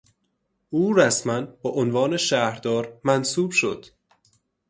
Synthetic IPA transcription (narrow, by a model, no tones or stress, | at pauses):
ʔuːɾæsmænbeʔonvɒːneʃæːhɾd̪ɒːɾmænsuːbʃo̰d̪̥